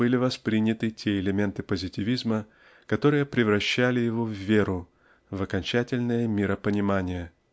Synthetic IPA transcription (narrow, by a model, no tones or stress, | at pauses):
ɨlʲɪvɐspɾʲinʲːɪt̪ɨtʲe̞ɪlʲɪmʲe̞nt̪ɨpəzʲɪtʲɪvʲizmə | kɐt̪o̞ɾɨjəpɾʲɪvɾɐɕːælʲɪjɪvo̞vːʲe̞ɾʊ | vɐkɐnʲt͡ɕætʲɪlʲnəjəmʲɪɾəpənʲɪmanʲɪjə